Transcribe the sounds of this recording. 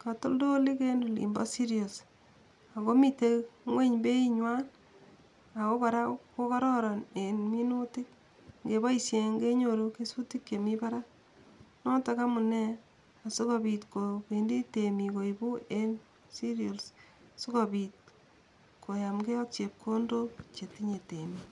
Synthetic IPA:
ka˨to˦ldo˦li˦ke˦nu˨lḭ˨mbɔ̰˦si˦ɾio˨s | a˨ko˦mi˨te˦ŋwe˦ɲbe˦iɲwa˦n | a˨ko˦ka˨ɾa˦ko˦kɔ˦ɾɔ˦ɾɔ˨ne˨nmi˦nu˦tɪ˦k | ŋɡe˨ba˦isje˨ŋɡe˦ɲo˨ɾo˦ke˦su˦ti˦kje˨mi˦pa˦ɾa˦ | no˦ta˦ka˦mu˨ne˦ | a˨su˦ko˨bi˨tkoke˨ndi˦te˨mi˨ko˨ibu˦en | si˦ɾiols | su˦ko˨bi˨t̚ | kʰo˨ja˨mɡe˦ɔ˦k̚t͡ʃe˨p̚kʰo˦ndo˦t͡ʃe˨ti˦ɲe˨te˨mi

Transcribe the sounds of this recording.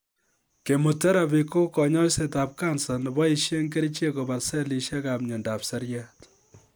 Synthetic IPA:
ke˨mu˨tɛ˦ɾa˨bi˨ko˦kɔ˨ɲɔ˦se˨ta˨p̚ka˦nsa˨nbɔ˦i˦ʃje˦ŋke˦ɾi˦t͡ʃe˦ko˨ba˨sɛ˦li˨ʃja˦ka˨p̚ɲo˨nda˨psa˦ɾja˦t

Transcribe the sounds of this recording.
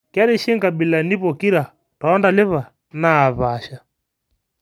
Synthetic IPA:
ka˦ɾi˦ʃi˦ŋɡa˨bi˨la˨ni˦βɔ˨ki˦ɾa˨ | taː˨˦nda˨lɛ˦βa˨ | naː˦˨βa˨ʃa˨

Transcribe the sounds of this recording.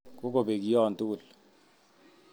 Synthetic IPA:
kɔ˦ko˨be˨k̬i˦jɔ˦˨ntu˦˨l

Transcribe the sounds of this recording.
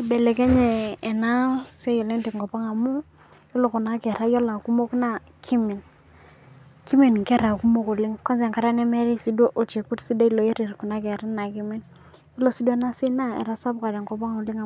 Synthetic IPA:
i˨be˨le˨ke˦ɲeː˨na˦se˦jo˨li˦ti˨ŋ˨kɔ˨pa˦ŋa˨mu˦ | i˦lo˨ku˨na˨˦ke˨ɾa˦jo˦la˨ku˦mo˦kna˦˨ | kʰi˦mi˨n | ki˦mi˨nke˦ɾa˨ku˦mo˦ko˨li˦ŋko˦ns̬e˨ŋka˦ɾa˦ne˦me˦ɾi˦si˨˦dwo˦ʔo˨t͡ʃe˨ku˦tsi˦de˦i˦lo˨e˦ɾi˨ɾku˨na˦ke˨ɾi˦na˨ki˦mi˦n | i˦lo˦si˦dwna˦si˦na˦ḛ˨ɾa˦sa˦bka˨de˨ŋko˨pa˦ŋo˨li˦ŋa˨

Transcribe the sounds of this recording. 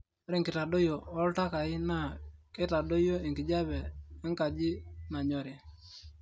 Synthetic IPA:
ɾɪ˦˨ŋkɪ˨ta˨do˦jo˨ɔ˦lta˦ka˨i˦na˦˨kɪ˦ta˨do˦jo˦i˨ŋkɪ˨d͡ʒa˦βɛ˨ɛ˦ŋka˨d͡ʒɪ˦na˨ɲɔ˨ɾɪ˨

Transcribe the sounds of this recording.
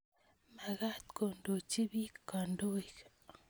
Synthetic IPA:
ma˨ɣa˦t̪ko˨ndo˨t͡ʃi˦bi˦kːa˨ndo˦i˨k

